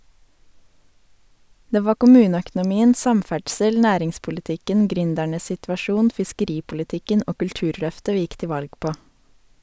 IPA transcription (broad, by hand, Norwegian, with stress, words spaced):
ˈdeː ˈʋɑː kʊˈmʉːnəœkn̩ʊˌmiːən ˈsɑmˌfæɖsəl ˈnæːɾɪŋspʊlɪˌtɪkən ˈɡɾʏndæɳəs ˌsɪtʋɑˈʃuːn fɪskəˈɾiːpʊlɪˌtɪkən ˈoː kʉlˈtʉːɾˌlœftə ˈʋiː ˈɪk ˈtɪ ˈʋɑlɡ ˈpoː